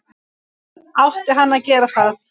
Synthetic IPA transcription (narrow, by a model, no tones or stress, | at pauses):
awht̪ɪɦanːaðcɛːɾaθað